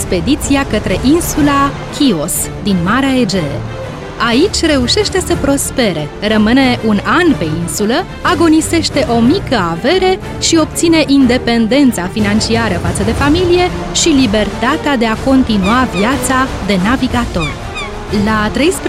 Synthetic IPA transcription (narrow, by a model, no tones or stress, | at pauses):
spe̞d̪it̪siakət̪ɾe̞ʔinsula | kʲʰio̞s | d̪inmaɾeaed͡ʒe̞̰ | ait͡ʃʲre̞uʃe̞ʃt̪e̞səpɾo̞spe̞ɾe̞rəmɨne̞ʔunanpe̞insulə | aɡo̞nise̞ʃt̪e̞ʔo̞mikəave̞ɾe̞ | ʃio̞p̚t̪sine̞ʔind̪e̞pe̞nd̪e̞nt̪safinant͡ʃiaɾəfat̪səd̪e̞familije̞ | ʃilibe̞rt̪at̪ead̪e̞ako̞nt̪inuaviat̪sad̪e̞naviɡat̪o̞r | lat̪ɾejspɾ